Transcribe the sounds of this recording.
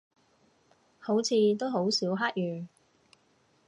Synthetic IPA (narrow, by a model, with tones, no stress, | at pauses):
ho˨˥wt͡sʰiː˨˧t̪̬o˥wɦo˨˥wsiː˨˥wɦaː˥k̚jyː˨˩